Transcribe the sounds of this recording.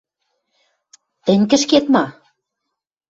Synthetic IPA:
t̪ɘ̆nʲkɘ̆ʃket̪mɑ

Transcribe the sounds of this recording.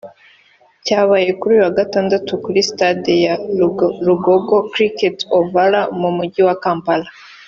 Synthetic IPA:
caːβaje̞kuɾuːjuwaɡataːndatukuɾistadija | ɾuɡoɡo̞kɾiketovaɾamumuɟiwakaːmpala

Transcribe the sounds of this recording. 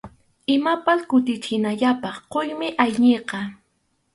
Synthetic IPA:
ɪmapaskʊt̪ɪt͡ʃɪnaʎapɑχqojmɪʔajɲeqɑ

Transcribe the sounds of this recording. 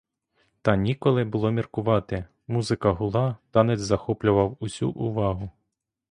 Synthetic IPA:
t̪ɑnʲikɔlˠɪbʊlˠɔmʲirkʊʋɑt̪ɪ | muzɪkɐɦʊlˠɑt̪ɑnɛzʲzɐxɔplʲʊʋɐwʊsʲṵʔʊʋɑɦʊ

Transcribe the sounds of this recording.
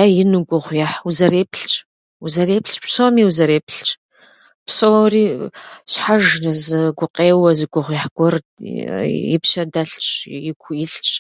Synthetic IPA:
ajɪnuɡʷʊʁʷjaħuzɐɾeːpʰɬt͡ʃʼ | uzɐreːpʰɬt͡ʃʼpsoːmiːwuzɐɾeːpʰɬt͡ʃʼ | psoriːɕħaʒɨzɨɡʷʊqʼeːwɐzɨɡʷʊʁʷjɛħɡʷɔr | jɪ̰pʃɐdɐɬt͡ʃʼjɪkʷʰjɪɬt͡ʃʼ

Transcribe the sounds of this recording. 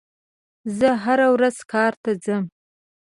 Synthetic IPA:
zəɦaɾawɾaz̥kʰɑɾt̪ad͡zəm

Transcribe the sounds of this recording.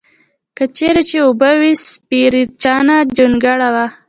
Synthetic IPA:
kət͡ʃeɾat͡ʃeubəwispiɾiɾt͡ʃɑnad͡ʒunɡaɽawa

